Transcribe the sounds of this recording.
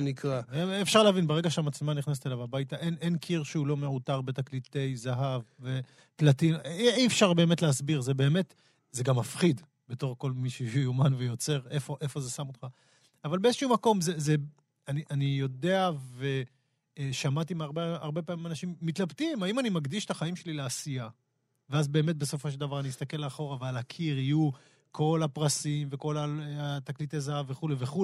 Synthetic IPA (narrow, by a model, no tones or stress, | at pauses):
nikʁaːfʃaʁleavinbeʁe̞ɡaʃeamat͡slmaniχnas̬etelavabajtaʔenʔenkʰiʁʃeulo̞me̞utaʁbe̞t̪aklite̞jzaɦavːe | platimiifʃaʁbe̞ːme̞tleasbiʁze̞be̞ːme̞t | ze̞ɡamːafχid̪ | beto̞ʁko̞lmiʃejujumanvejo̞t͡se̞ʁe̞fo̞ʔefo̞ze̞samot̪χa | avalbeezʃumako̞mzeze | aniʔanijo̞de̞ave̞ | ʃamat̪imaʁbeaʁbe̞paːmimanaʃimːit̪labt̪imhaimanimaɡd̪iʃe̥t̪aχaimʃe̞lileasija | veazbe̞ːmet̚be̞sofo̞ʃ̬eld̪avaʁaniist̪ake̞lːeːχo̞ʁavealakʰiʁiju | kʰo̞lapʁasimveko̞laat̪aklit̪ezaave̞χuleveχu